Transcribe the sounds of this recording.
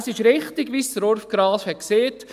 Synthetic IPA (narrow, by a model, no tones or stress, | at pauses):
sɪʃɾɪχt̪ɪɡʋiːsɾɔɾfɡ̥ɾɑːfhɛt̚kseːt